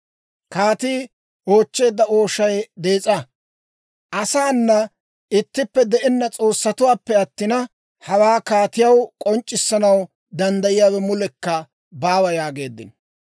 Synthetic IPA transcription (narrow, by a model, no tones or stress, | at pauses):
kaːt̪iː | o̞ːt͡ʃːe̞ːd̪ːɐo̞ːʃɐjd̪e̞ːt͡sʼɐ | ʔɐsaːnːɐ | ɪt̪ːɪpːɛd̪ɛʔɪnːɐt͡sʼo̞ːsːɐt̪ʊwaːpːɛɐt̪ːɪnɐ | hɐwaːkaːt̪ɪjɐwkʼɔnt͡ʃʼːɪsːɐnɐw | d̪ɐnd̪ɐjɪjaːwɛmʊlɛkːɐ | baːwɐjaːɡe̞ːd̪ːɪ̰n